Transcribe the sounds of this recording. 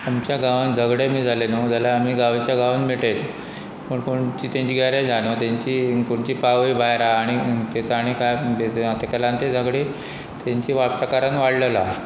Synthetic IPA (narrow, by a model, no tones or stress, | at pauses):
amt͡ɕjaɡaʋənd͡zʱəɡɽemiːd͡zʱalenod͡zalaam̤iːɡaʋit͡ɕjaɡaʋənmiʈet̪ | pəɳkoɳt͡ɕiːt̪jãɲt͡ɕiɡaɾjad͡zʱañot̪aɲt͡ɕiːkoɳt͡ɕiːpaʋijbʱajɾaːɽ̃it̪et͡saːɽ̃ikajbet̪ekəlãnt̪ed͡zʱəɡɽe | t̪jaɲt͡ɕiːʋapʈ̪akaɾanʋaɽləla